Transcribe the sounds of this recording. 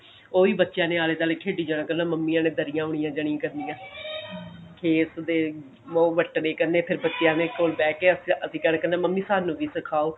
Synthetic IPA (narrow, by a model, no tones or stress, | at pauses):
oːʋiːbətːʃjãːneːaːleːt̪aːleːkʰeːɖiːd͡ʒəɽãːkəɾnaːməmːiːãːnẽːd̪əɾɪjãːʊɳijãːd͡ʒəɽ̃ɪ̃ãːkəɾnijãː | kʰeːsd̪eː | oːʋəʈːneːkəɾnẽːpʰɪɾbətːʃjãːneːkoːlbɛːkeːəsəsĩːkəɾnːkəɾnãːməmːiːsaːnũːʋiːsəkʰaːoː